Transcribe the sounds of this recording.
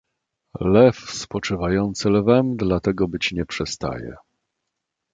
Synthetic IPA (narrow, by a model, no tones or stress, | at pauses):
lɛfspɔt͡ʂɘvajɔnt̪sɘlɛvɛmd̪lat̪ɛɡɔbɘt͡ɕɲɛpʂɛst̪a̰jɛ̰